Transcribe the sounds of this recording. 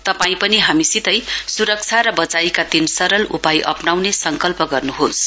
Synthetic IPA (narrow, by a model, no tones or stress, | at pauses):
t̪ʌpaĩpʌniɦamisit̪ʌjsuɾʌk̚t͡sʰaɾʌbʌt͡sajkad̪insʌɾʌlupajʔʌ̰pnawnesʌŋkʌlpʌɡʌrnuɦos